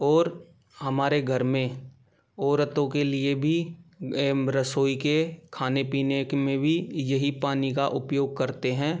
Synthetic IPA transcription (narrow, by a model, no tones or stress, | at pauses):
ɔːɾ | hɐmaːɾeɡʱɐɾmẽ | ɔːɾət̪õkelɪebʱi | ɾəsoːikekʰaːnepiːnekmẽbʱijɐɦipaːnikaʔʊpjoːɡ̚kɐɾt̪eɦɛ̃ː